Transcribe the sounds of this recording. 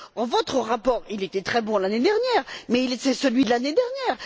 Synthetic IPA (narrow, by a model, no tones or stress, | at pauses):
ɑ̃vɔt̪χəʁapɔːʁilet̪ɛt̪χɛbɔ̃laned̪ɛʁnjɛːʁmɛilet̪ɛsəlɥid̪əlaned̪ɛʁnjɛːʁ